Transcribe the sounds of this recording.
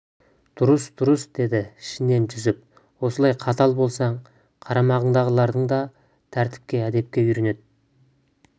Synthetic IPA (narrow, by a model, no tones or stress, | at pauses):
d̪̥ʊɾəsd̪ʊɾəsd̪e̞d̪ɪɪʃɪne̞nʒʰʏzɪp̚ | wo̞səlˠɑjqʰɑt̪ɑlˠbo̞lˠsɑɴ | qʰɑɾɑmɑʁəɴd̪ɑʁəlˠɑɾd̪əɴd̪ɑ | t̪ʰæɾt̪ɪ̥p̚kʲe̞æd̪e̞p̚kʲe̞ʏɾene̞d̪ɪ